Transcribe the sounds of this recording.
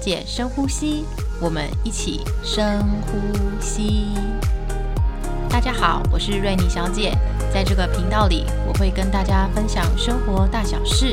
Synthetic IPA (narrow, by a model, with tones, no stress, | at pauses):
t͡ɕjɛ˨˩ʂɤ˥ŋxu˥ɕi˥ | wɔ˨˩mə̰˦ni˥˩t͡ɕʰḭ˨˩ʂɤ˥ŋxu˥ɕi˥ | t̪a˥˩t͡ɕja˥xɑ˨˩˦ʊwɔ˨˩ʂɻ̩˥˧we˥˩ɪni˨˩ɕjɑ˧˥ʊt͡ɕjɛ˨˩˦ | t͡sa˥˧ɪʈ͡ʂɤ˥˩ɡə˩pʰi˧˥ŋt̪ɑ˥˩ʊlḭ˨˩˦wɔ˨˩xwe˥˩ɪkə˥nt̪a˥˩t͡ɕja˥fə˥nɕjɑ˨˩ŋʂɤ˥ŋxwɔ˧˥t̪a˥˩ɕjɑ˨˩ʊʂɻ̩˥˩